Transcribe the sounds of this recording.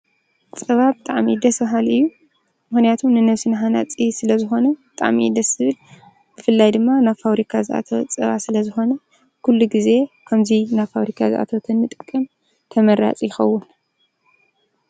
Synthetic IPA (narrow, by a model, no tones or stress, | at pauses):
t͡sʼɐβabɨt̪ʼaʕmid̪ɐsbaɦalɨjːu | mɨxnijat̪ʰumnɨnɐβsɨnɦanat͡sʼisɨlɐzɨxo̞nɐbɨt̪ʼa̰ʕmḭd̪ɐsɨbɨl | b̥ɨfɨlːajd̪ɨmːanaβfaβɾikʰazɨʔa̰t̪ʰɐwt͡sʼɐ̰βa̰sɨlɐzɨxo̞nɐ | kʰulːuɡize̞kʰɐmzinafaβɾikʰazɨʔa̰t̪ʰɐwt̪ʰɐnːɨt̪ʼɨkʼːɨm | t̪ʰɐmɐɾa̰t͡sʼjɪxɐwːʊn